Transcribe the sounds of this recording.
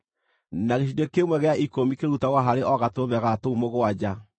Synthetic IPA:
naɣeʃ̬idekemwɛɣeaʔikomikeɾutaɣwaɦaɾeʔɔɣatoβɛɣatoumoɣoad͡ʑa

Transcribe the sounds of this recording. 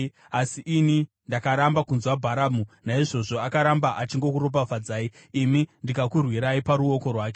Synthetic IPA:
asiʔini | ndakaɾambakunzwabʱaɾamunaiʐo̞ʐo̞akaɾambaʔat͡ʃiŋɡo̞kuɾop̬avad͡zaːiː | mindikakurwiɾaipaɾuo̞ko̞rwaːke

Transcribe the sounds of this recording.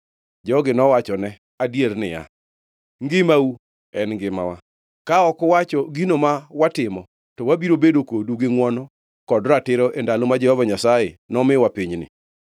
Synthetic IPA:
d͡ʒɔɡɪnɔwat͡ʃɔnɛ | adjeɾnɪja̰ | ŋɡɪmau | ɛnŋɡɪma̰wa | kaɔkwat͡ʃɔɡinomawatɪmɔ | tɔwabiɾobedokoduɡɪŋwɔnɔ | kɔdɾatɪɾɔʔendalomad͡ʒɛhɔvaɲasajenɔmɪwapiɲnɪ̰

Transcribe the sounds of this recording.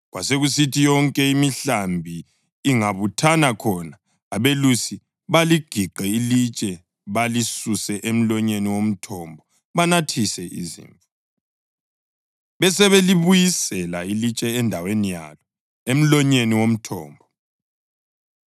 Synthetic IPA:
ɣwa̰seɣusitʰijɔŋkʼɛimiɬambʱiː | ŋaβutʰanakʰɔnaː | βelusi | βaliɡ̥ʱiǃɛilit͡ʃʼɛ | βalisusɛʔem̩lɔɲeniwom̩tʰɔmbʱɔ | βanatʰisɛʔḭzḭːɱfa | βɛsɛβeliβujisɛlailit͡ʃʼɛːndʱawenija̰lɔ | em̩lɔɲeniwom̩tʰɔ̰ːmbʱɔ

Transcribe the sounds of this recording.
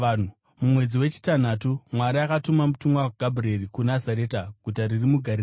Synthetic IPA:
nu | mumwe̞d͡ziwe̞t͡ʃi̥tan̤atumwaɾaakatumamutumwawaɡʱabʱreɾikunazaɾe̞ːtaɡ̥ʱutaɾirimuɡʱaɾi

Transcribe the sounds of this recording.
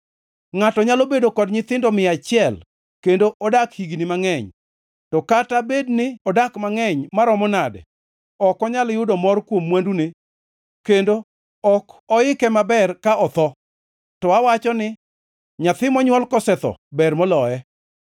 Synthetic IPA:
ŋatɔɲalobedokɔdɲɪt̪ɪndɔmɪat͡ʃɪɛl | kendoʔɔdakhiɡinɪmaŋɛɲ | tɔkatabednɪɔdakmaŋɛɲmaɾɔmɔnadɛ̰ | ɔkɔɲaljʊdɔmɔrkwomːwandune | kendo | ɔkɔɪkɛmabɛrkaʔɔt̪ɔ | tɔawat͡ʃɔnɪ | ɲat̪ɪmɔɲwɔlkɔsɛt̪ɔ̰bɛrmɔlɔɛ

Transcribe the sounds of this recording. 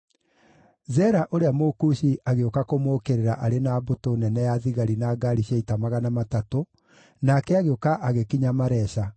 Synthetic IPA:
zɛɾaʔoɾeamokuɕiʔaɣeokakomokeɾeɾaʔaɾenaːbotonɛnɛjaðiɣaɾinaːɡaɾiɕaitamaɣanamatato | nakɛaɣeokaʔaɣekiɲamaɾɛɕa

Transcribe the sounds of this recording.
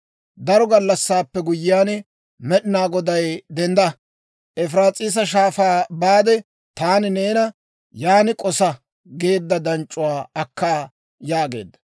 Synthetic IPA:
d̪ɐɾɔɡɐlːɐsːaːpːɛɡʊjɪjaːn | mɛɗɪnaːɡɔd̪ɐjd̪ɛnd̪ɐ | ʔɛfɾaːt͡sʼiːs̬ɐʃ̬aːfaːbaːd̪ɛ | t̪aːnɪne̞ːnɐ | jaːnɪkʼɔsɐ | ɡe̞ːd̪ːɐd̪ɐnt͡ʃʼːʊwaːɐkːaː | jaːɡe̞̰ːd̪ːɐ̥

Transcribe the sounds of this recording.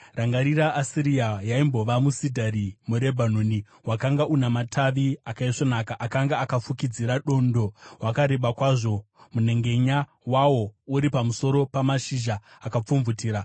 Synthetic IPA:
raŋɡaɾiɾaʔasiɾiajaimbo̞ʋamusidʱarimuɾe̞bʱanoːni | wakaŋɡaʔunamatʰaʋiakaiʂonakaʔakaŋɡaːkap͡fukid͡ziɾaɗo̞ndo̞wakaɾe̞ɓakwaʐo̞ | mune̞ŋɡe̞ɲa | wawo̞uɾipamuso̞ɾo̞pamaʃiʒaːkap͡fuɱvutiːɾa

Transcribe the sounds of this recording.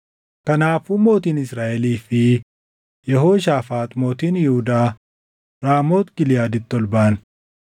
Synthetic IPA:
kɐnaːfʊmo̞ːt̪iːnɪsɾaːʔɛliːfɪ | jɛɦoːʃ̬aːfaːt̪ʼmo̞ːt̪iːnjɪhʊd̪aː | ɾaːmo̞ːt̪ɡɪlɪjaːd̪ɪt̪ːɔlbɐʔɐn

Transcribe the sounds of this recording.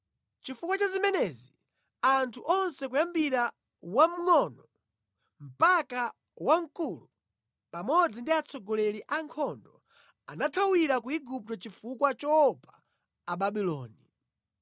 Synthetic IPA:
t͡ʃifukwat͡ʃazimɛnɛzi | antʰuʔɔnsɛkujambiɾa | wam̩ŋɔnɔ | m̩paka | waŋkulu | pamɔd͡zindiat͡sʰɔɡɔlɛɾiʔaŋkʰɔndɔ | anatʰawiɾakuiɡup̚tɔt͡ʃifukwat͡ʃɔːpaː | ɓaɓilɔːni

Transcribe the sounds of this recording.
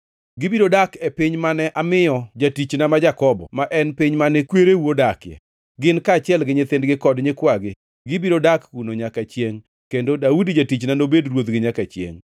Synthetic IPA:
ɡɪbidɾodakepiɲmanɛʔamɪjɔd͡ʒatit͡ʃnamad͡ʒakɔbɔ̰maʔɛnpiɲmanɪkweɾewodakjɛ̰ | ɡɪnkat͡ʃɪɛlɡɪɲɪt̪ɪndɡɪkɔdɲɪkwaɡɪ | ɡɪbiɾodakunoɲakat͡ʃjeŋ | kendodaudid͡ʒatit͡ʃnanobedrwot̪ɡɪɲakat͡ʃjḛŋ

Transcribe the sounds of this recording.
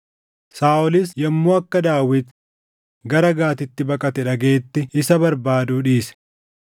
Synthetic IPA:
saːɔlɪsjɐmːoːɐkːɐd̪aːwɪt̪ | ɡɐɾɐɡaːt̪ɪt̪ːɪbɐkʼɐt̪ɛᶑɐɡeːt̪ːɪɪsɐbɐɾbaːd̪uːᶑiːsɛ̥

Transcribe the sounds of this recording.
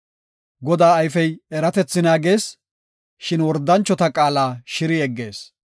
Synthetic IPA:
ɡɔd̪aːɐjfɛjɛɾɐt̪ɛt͡sːɪnaːɡe̞ːs | ʃɪnwɔɾd̪ːɐnt͡ʃːɔt̪ɐkʼaːlaːʃɪɾɪɛɡːe̞ːs

